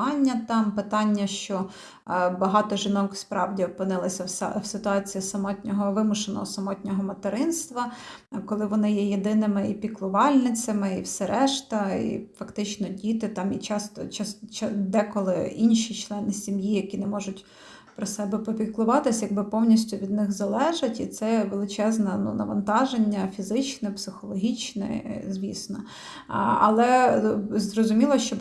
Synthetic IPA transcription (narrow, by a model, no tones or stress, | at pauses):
ɑnʲːɐt̪ɑmpɪt̪ɑnʲːɐʃt͡ʃɔ | bɐɦɑt̪ɔʒɪnɔkspɾɑwdʲiɔpɪnɪlˠɐsʲɐswsɪt̪ʊɑt͡sʲijisɐmɔtʲnʲɔɦɔʋɪmʊʃenɔ̰ɦɔsɐmɔtʲnʲɔɦɔmɐt̪eɾɪnst̪ʋɐ | kɔlˠɪʋɔnɪjɛjed̪ɪnɪmɪipʲiklˠʊʋɑlʲnɪt͡sʲɐmɪiwsɛɾɛʃt̪ɐḭfɐkt̪ɪt͡ʃnɔdʲit̪ɪt̪ɑmit͡ʃɑst̪ɔ̰t͡ʃɑst͡ʃd̪ɛkɔlˠɪ̰inʃit͡ʃlˠɛnɪsʲimjijɐkʲinɛmɔʒʊtʲ | pɾɔsɛbɛpɔpʲiklˠʊʋɑt̪ɪsʲjɐɡ̚bɪpɔwnʲisʲtʲʊʋʲid̪nɪxzɐlˠɛʒɐtʲit̪sɛʋelˠɪt͡ʃɛznɐnṵnɐ̰ʋɐnt̪ɑʒenʲːɐfʲizɪt͡ʃnɛpsɪxɔlˠɔɦʲit͡ʃnɛ̰zʲʋʲisnɔ̰ | ɐ̰lˠɛ | zrɔzʊmʲilˠɔʃt͡ʃɔ